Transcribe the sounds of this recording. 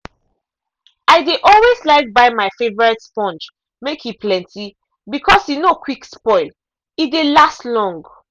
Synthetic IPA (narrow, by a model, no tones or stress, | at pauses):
aɪdeʔɔlweslaɪk̚baɪmaɪfevɔɹɛtspɔ̃nt͡ʃ | mekhipʰlɛ̃nti | bikʰɔshinokʰwikspɔɪl | idelastlɔ̃ŋɡ